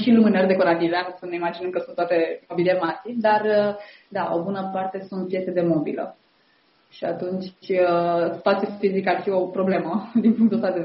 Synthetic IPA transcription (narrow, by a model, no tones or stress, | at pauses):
ʃilumɨnerd̪ekoɾat̪ivasəneimad͡ʒinəmkəsunt̪wat̪e̞mobiliemasid̪arə | d̪aʔobunəpart̪e̞sunt̪̚pjet̪se̞d̪e̞mobḭlə̰ | ʃiat̪unt͡ʃʲəsi̥t̪at̪siest̪izikəarfio̞pɾo̞ble̞məd̪inpuŋkt̪ost̪ad̪e